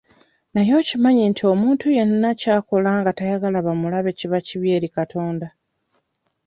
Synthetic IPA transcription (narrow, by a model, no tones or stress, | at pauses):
najo̞ːcimaɲintʰio̞muːntuje̞nunacaːko̞laːŋɡatajaɡalaβamulaβe̞ciβaciβje̞ːɾikatʰo̞ːnda